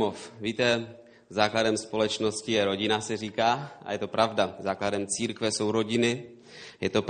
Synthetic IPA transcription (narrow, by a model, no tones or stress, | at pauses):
ofviːt̪ɛ | zaːkladɛmspo̞lɛt͡ʃno̞scɪjɛɾo̞ɟɪnasɛriːkaːʔa̰jɛt̪o̞pɾavdazaːkladɛmt͡siːɾkvɛso̞wɾo̞ɟɪnɪ | jɛt̪o̞p